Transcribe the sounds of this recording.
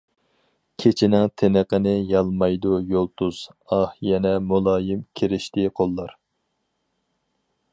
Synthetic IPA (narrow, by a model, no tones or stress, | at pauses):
kʲʰet͡ʃʰinɪŋt̪ʰenəqənɪjɑlˠmɑjd̪ujolˠt̪ʰuz̥ɑhjɛnɛmulˠɑːjɪmkʲʰeɾɪʃt̪ɪqʰolˠːɑɾ